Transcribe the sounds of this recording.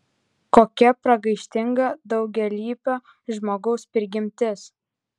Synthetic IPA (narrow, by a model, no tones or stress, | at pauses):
koːkʲɛpɾɐɡɐɪʃʲt̪ʲɪŋɡɐd̪ɒʊɡʲɛlʲiːpʲoː | ʒmoːɡɔʊspʲɪɾʲɡʲɪmʲt̪ʲɪs